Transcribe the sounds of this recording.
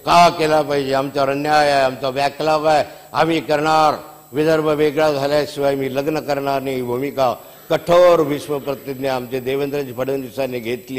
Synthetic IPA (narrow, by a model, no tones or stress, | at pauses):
kakelapəɦid͡ʒeamt͡ɕaɾənjajaamt͡saʋaklaʋae | amiːkəɾɳaɾ | ʋid̪əɾbəʋeɡɭad͡zʱaljasiʋajmiːləɡnəkəɾɳaɾniibʱumika | kəʈʰoːɾʋisʋəpɾət̪id̪neamt͡ɕed̪eːʋənd̪ɾət͡ɕipʰəɽənd̪isaneɡʱet̪liː